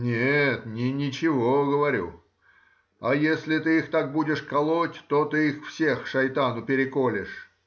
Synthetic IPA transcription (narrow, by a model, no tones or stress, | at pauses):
nʲet̪nʲɪnʲɪt͡ɕɪvoɡəvɐɾʲṵ | ajesʲlʲɪt̪ɨixt̪ak̚budʲɪʂkɐlˠotʲt̪ot̪ɨixfsʲe̞xʂɐjt̪anʊpʲɪɾʲɪkolʲɪʂ